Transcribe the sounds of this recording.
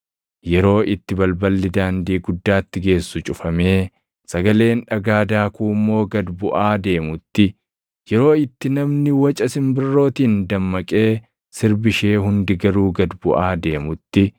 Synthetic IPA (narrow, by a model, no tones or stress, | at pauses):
jɛɾo̞ːʔɪt̪ːɪbɐlbɐlːɪd̪aːnd̪iːɡʊd̪ːaːt̪ːɪɡe̞ːsːʊt͡ʃʼʊfɐme̞ː | sɐɡɐle̞ːnᶑɐɡaːd̪aːkuːmːo̞ːɡɐd̪bʊʔaːd̪e̞ːmʊt̪ːɪ | jɛɾo̞ːɪt̪ːɪnɐmnɪwɐt͡ʃʼɐsɪmbɪrːo̞ːt̪iːnd̪ɐmːɐkʼe̞ː | sɪɾbɪʃe̞ːɦʊnd̪ɪɡɐɾuːɡɐd̪bʊʔaːd̪e̞ːmʊt̪ːɪ